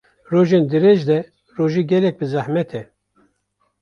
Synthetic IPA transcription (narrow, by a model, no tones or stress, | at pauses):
roːʒend̪ɨɾeʒd̪ɛ | roːʒiːɡɛlɛk̚bɨzæhmɛt̪ʰɛ